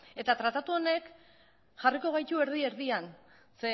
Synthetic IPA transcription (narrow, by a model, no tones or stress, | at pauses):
e̞t̪at̪ɾat̪at̪uo̞ne̞k | ʝariko̞ɣ̞ajt̪ue̞ɾð̞ie̞ɾðian | se